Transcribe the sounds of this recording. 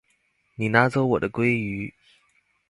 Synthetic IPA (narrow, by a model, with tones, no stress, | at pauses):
ni˨˩na˧˥t͡so˥ʊwɔ̰˨˩d̪ə˦kwe˥ɪy˧˥˦